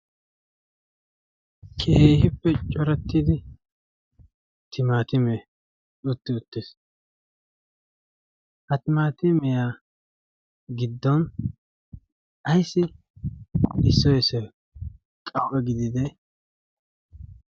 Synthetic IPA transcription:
kʰʼeːhɪpːɛt͡ʃʼɔɾɛt̪ːɪd̪ɪ | t̪ʰɪmaːt̪ɪme | ʊt̪ːɪʊt̪ːeːs | hɐt̪ɪmaːt̪ɪmɛja | ɡɪd̪ːɔn | ʔɐjsːɪ | ɪsːɔjɛsɛ | kʼɐwʔɛɡɪd̪ɪd̪ɛ

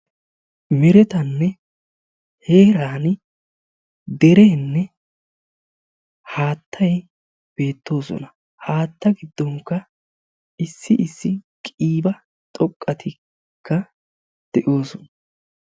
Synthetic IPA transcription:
mɪɾɛt̪ɐnːɛ | he̞ːɾaːn | d̪ɛɾeːnːɛ | haːt̪ːɐj | b̥e̞ːt̪ːo̞ːsɔ̰nɐ | haːt̪ːɐɡɪd̪ːɔŋkːɐ | ɪsːɪʔɪsːɪkʼiːbɐ | t̪ʼɔkʼːɐt̪ʰɪ | kːɐ | d̪̥ɛʔo̞ːsɔnɐ

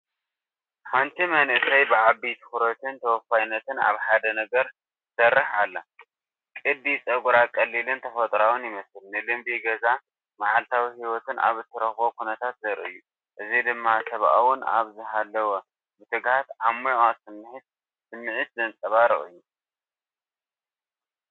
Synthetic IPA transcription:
ħant̪ʰimɐnɨsɐjbɨʕabit̪ʰɨ̥xuɾot̪ʰɨnt̪ʰɐwɔfajnːɐt̪ʰɨna̰βħad̪ɐnɐɡɐɾ | sɐrːɨħalːa | kʼɨd̪it͡sʼɐɡʼuɾakʼɐlːilɨnt̪ʰɐfɐt̪ʼɾawʊnjɪmɐsɨlnɨlɨmbiɡɐza | maʕalt̪ʰawihiwɔt̪ɨnʔa̰βzɨt̪ʰːɨɾɐxbokunɐt̪ʰat̪zɐɾʔɨ̰jːu | ʔɨzid̪ɨmːasɐβʔawʊna̰βzɨɦalːɐwo | bɨt̪ʰɨɡhat̪ʕamːujasɨmːɨħɨt̪̚ | sɨmːɨʕit̪zɐnt͡sʼɐβaɾɨʔʼɨ̰jːu

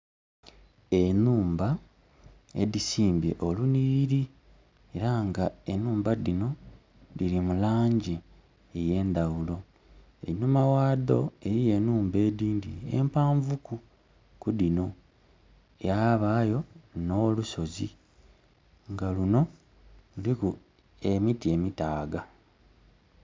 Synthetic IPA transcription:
e̞nuːmba | e̞̰ðisiːmbe̞̰ʔoluniβiɾi | e̞ɾaŋɡae̞nuːmbadino̞ | diɾimulaːɲɟeː | je̞ːnd̪awulo̞ | ḛnumawaːdo̞e̞jije̞nuːmbe̞ːdiːndḭe̞̰mpaːɱvuku | kudino̞ | ejaβaːjo̞no̞ːluso̞zi | ŋɡaluno̞ | luliku | e̞mitie̞mitaːɡa

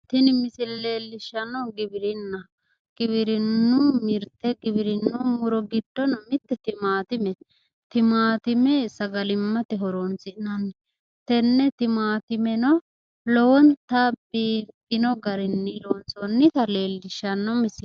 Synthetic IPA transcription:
t̪ɪnɪmɪsɪlɛleːlːɪʃɐnɔɡɪbɪɾɪnːɐ | ɡ̥ɪβɪɾɪnːʊmɪɾt̪ːɛɡɪbɪɾɪnːʊmʊɾɔɡɪd̪ːɔnɔmɪt̪ːɛt̪ɪmaːt̪ɪmɛ | t̪ɪmaːt̪ɪmɛsɐɡɐlɪmːɐt̪ɛɦɔɾoːnsɪʔnɐnː | t̪ɛnːɛt̪ɪmaːt̪ɪmɛnɔ | lɔwɔnt̪ɐbiːfɪnɔɡɐɾɪnːɪloːnsonːɪt̪ɐle̞ːlːɪʃːɐnːɔmɪsɪ

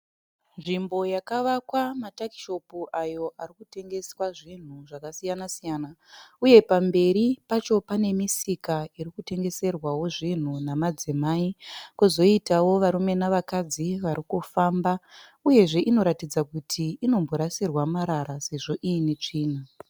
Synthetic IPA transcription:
nʐimbo̞jakaʋakwamatakiʃo̞puʔajo̞ʔarikute̞ŋɡe̞swaʐin̤uʐakasijanasijaːnauje̞pambe̞ɾipat͡ʃo̞pane̞misikaiɾikute̞ŋɡe̞se̞rwawo̞ʐin̤unamad͡zimaikuzo̞itawo̞ʋaɾume̞naʋakad͡ziʋaɾikufambauje̞ʐe̞ʔino̞ɾatid͡zakutʰiːno̞mboɾasirwamaɾaɾase̞ʐo̞ʔiinet͡ʂiːn̤a

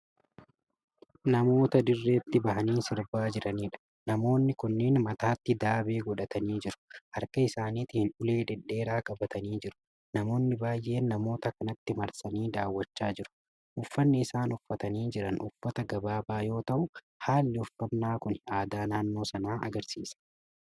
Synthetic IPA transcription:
nɐmo̞ːt̪ɐd̪ɪrːe̞ːt̪ːɪbɐhɐniːsɪɾbaːd͡ʒɪɾɐniːᶑɐ̥ | nɐmo̞ːnːɪkʊnːeːnmɐt̪aːt̪ːɪd̪aːbe̞ːɡɔᶑɐt̪ʰɐniːd͡ʒɪɾʊ̥ʔɐɾkɐɪsaːniːt̪ːɪhɪnᶑʊle̞ːd̪ɛᶑːe̞ːɾaːkʼɐbɐt̪ɐniːd͡ʒɪɾʊ̥ | nɐmo̞ːnːɪbaːjʔe̞ːnːɐmo̞ːt̪ɐkɐnɐt̪ːɪmɐɾsɐniːd̪aːwːɐt͡ʃːaːd͡ʒɪɾʊ̥ | ʔʊfːɐnːɪːsaːnʊfːɐt̪ɐniːd͡ʒɪɾɐnʊfːɐt̪ɐɡɐbaːbaːjo̞ːt̪ɐʔʊ | haːlːɪʊfːɐnːaːkʊnaːd̪aːnaːnːo̞ːsɐnaːʔɐ̰ɡɐɾsḭːsɐ̥

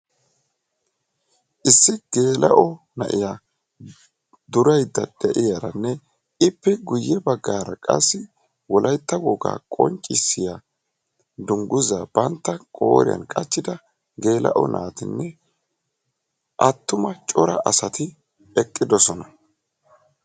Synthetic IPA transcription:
ʔɪsːɪɡ̥e̞ːlɐʔɔ | nɐʔɪja | d̪ʊɾɐjd̪ːɐd̪̥ɛʔɪjɐɾɐnːɛ | ɪpːɛɡʊjːɛbɐɡːaːɾɐkʼɐ̰sːɪ | wɔlʔɐjt̪ːɐwɔɡa̰ːkʼɔ̰nt͡ʃʼːɪsːɪja | d̪ʊŋɡʊzaːb̥ɐnt̪ːɐkʼo̰ːɾɪ̰jɐ̰nkʼɐt͡ʃːɪd̪ɐ | ɡe̞ːlɐ̰ʔɔ̰nʔa̰ːt̪ɪnːɛ | ʔɐt̪ːʊmɐt͡ʃʼɔɾɐʔɐsɐt̪ɪ | ɛkʼːɪd̪ɔsɔnɐ

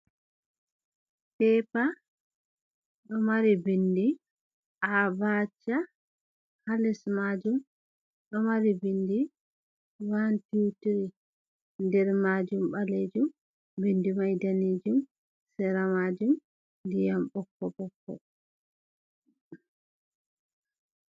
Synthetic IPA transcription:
pɛːpa | ɗɔmaɾibindi | ʔabat͡ʃːa | halɛsmad͡ʒum | ɗɔmaɾibindi | wantiwtiɾi | ndɛɾmad͡ʒumbaled͡ʒum | bendimajdaned͡ʒum | sɛɾamad͡ʒum | dijambɔkːɔbɔkːɔ̰

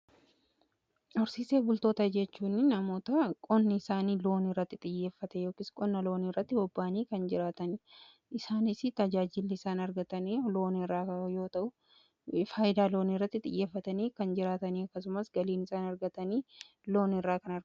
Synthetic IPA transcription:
ɔɾsiːseːbʊlt̪o̞ːt̪ɐd͡ʒɛt͡ʃːuːnɪnɐmo̞ːt̪ɐkʼɔnːɪɪsaːniːlo̞ːnirɐt̪ːɪt̪ʼɪjːe̞ːfːɐt̪ɛjo̞ːkɪːskʼɔnːɐlo̞ːnirːɐt̪ːɪbɔbːaːniːkɐnd͡ʒɪɾaːt̪ɐn | ɪsaːnɪsɪt̪ɐd͡ʒaːd͡ʒɪlːɪːsaːnɐɾɡɐt̪ɐniːlo̞ːnirːaːɐjo̞ːt̪ɐʔʊ | faːjɪd̪aːlo̞ːnirːɐt̪ːɪt̪ʼɪ̰jːe̞ːfːɐt̪ɐniːkɐnd͡ʒɪɾaːt̪ɐniːɐkːɐsʊmɐsɡɐliːnɪsaːnɐɾɡɐt̪ɐniː | lo̞ːnɪrːaːkɐnɐ

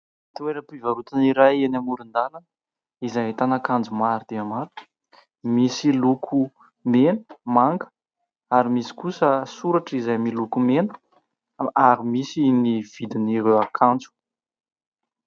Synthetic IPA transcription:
t̪ueɾəpivaɾut̪iniɾajenamuɾind̪alanə | izajɦt̪anakand͡zumaɾid̪̥eamaɾi̥ | misilukʰu | menə̥maŋɡə̥ | aɾimisi̥kusəsuɾaʈ͡ʂizajmilukumenə̥ | aɾimisiniv̥id̪iniɾewakʰand͡zu̥

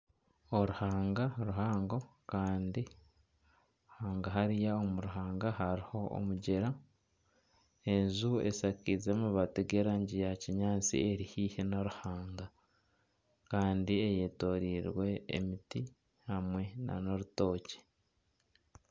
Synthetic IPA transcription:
o̞ɾuhaːŋɡaɾuɦaːŋɡokaːndi | haːŋɡaɦaɾijaomuɾuɦaːŋɡaɦaɾiho̞o̰muɟeɾa | e̞nzue̞̰sakizemuβateɡe̞ɾaːɲɟijaciɲaːt͡sḭeɾihiːhenoɾuhaːŋɡa | kaːndiejeto̞ɾiːɾwe̞̰ːmiti | hamwe̞na̰no̞ɾuto̞ːce̥

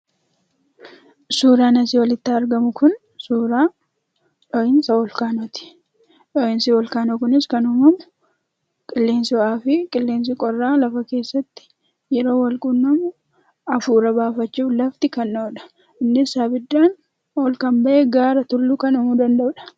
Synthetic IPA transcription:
suːɾaːnɐsɪwɐlɪt̪ːaːɾɡɐmʊkʊn | suːɾaː | ᶑɔʔɪnsɐwɔlkaːnot̪ɪ̥ | ᶑɔʔɪnsɪwɔlkaːnokʊnɪskɐnʊmɐmʊ | kʼɪlːe̞ːnsɪwɔʔaːfɪkʼɪlːe̞ːns̬ɪkʼɔrːaːlɐfɐke̞ːsːɐt̪ːɪ̥ | jɛɾo̞ːwɐlkʼʊnːɐmʊ | ɐfuːɾɐbaːfɐt͡ʃːuːflɐft̪ɪkɐnːoːᶑɐ̥ | ɪnːɪsaːbɪd̪ːaːn | oːlkɐmbɐʔeːɡaːɾɐt̪ʊlːukɐnʊmʊd̪ɐnd̪ɐʔʊᶑɐ̥

